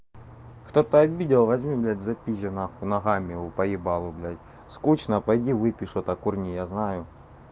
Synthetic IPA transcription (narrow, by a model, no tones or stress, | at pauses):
xt̪ot̪ɐɐbʲidʲɪlˠvɐzʲmʲiblʲætʲzɐpʲiʒʲɐnaxʊnɐɣamʲɪʊpɐjɪbalˠʊblʲatʲ | skut͡ɕnɐpɐjdʲivɨpʲɪʂʊt̪ɐkurnʲijaznajʊ